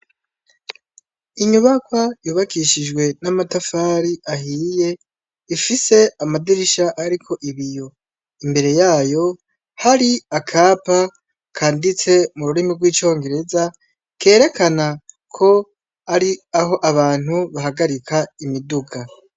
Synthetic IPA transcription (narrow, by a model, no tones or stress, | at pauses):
iɲuβakwajuːβakiʃid͡ʒɡwe̞namatafaːɾiʔaɦiːje̞ | ifise̞amadiɾiʃaʔaɾikʰo̞ʔiβijo̞ | imbe̞ɾe̞jaːjo̞ | haɾiakʰaːpa | kʰaːndit͡se̞muɾuɾimibɡwiːt͡ʃo̞ːŋɡe̞ɾe̞za | ke̞ːɾe̞kʰana | kʰo̞ | aɾiaɦo̞ʔaβaːn̥huβaɦaɡaɾikaimiduɡa